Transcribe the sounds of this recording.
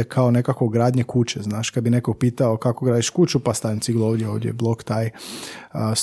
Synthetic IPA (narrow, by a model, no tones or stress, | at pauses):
ekʰaone̞kakʋoɡɾaːd̪ɲekut͡ʃeznaːʃkad̪bine̞koɡ̚piːt̪aokakoɡɾaːd̪iʃkut͡ʃupast̪aint̪siɡlˠoʋd̪jeoːʋd̪jeblˠo̞kt̪aj | s